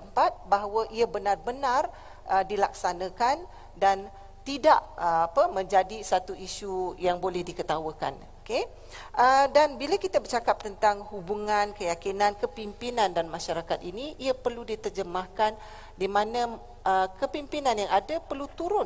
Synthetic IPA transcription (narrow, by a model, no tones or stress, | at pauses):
t̪əmpat̪̚baɦwəʔiabənarbənãr | ʔədilak̚sanãkan | dan | t̪idaʔəapəmə̃ɲd͡ʒadisat̪uiʃujaŋbolɛhdikət̪awəka̰n | oke | ʔədanbilakit̪abərt͡ʃakap̚t̪ənt̪aŋhubuŋãnkəjakinãnkəpimpinandanmãʃaɾakat̪iniʔiapərludit̪ərd͡ʒəmahkan | dimãnã | ʔəkəpimpinanjaŋadapərlut̪uɾʊn